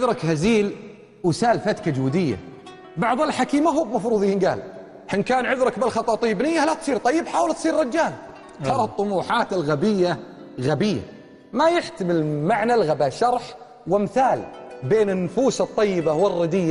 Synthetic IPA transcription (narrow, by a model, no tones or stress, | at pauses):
ðɾˤɑkhaziːl | wsaːlfat̪kad͡ʒuːd̪ɪjːa̰ | bɑʕðˤɪlħakiːmaɦuːbmɑfɾuːðˤiːnɡa̰ːl | hɪnkaːnʕʊðɾɑkbɪlxɑt̪ˤːɑːt̪ˤijːɪbnɪjːalat̪sˤiːɾt̪ˤɑjːɪbħaːwlt̪sˤiːɾɾɑd͡ʒːaːl | t̪ʰɑɾˤɑht̪ˤːʊmuːħaːt̪ɪlɣabɪjːa | ɣabɪjːa̰ | majɪħt̪amɪlmaʕnalɣabaːʃɑɾˤħ | wɪmθaːlbeːnɪnːʊfuːsɨt̪ˤːɑjːɪbawɪrːɪd̪ɪjːa